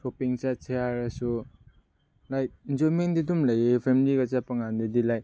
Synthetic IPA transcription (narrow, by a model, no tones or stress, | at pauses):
sopiŋsat͡ʃeaɾasu | lajinzomendidumlajepʰemiliɡasapaŋandidilaj